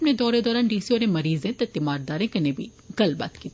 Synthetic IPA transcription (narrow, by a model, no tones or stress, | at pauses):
pned̪ɔːɾed̪ɔːɾaːnɖiːsiɔːɾẽmɐɾiːzẽt̪ɐt̪ːɪmaːɾd̪aːɾẽkɐnẽbʱḭ | ɡɐlba̰ːt̪kiːt̪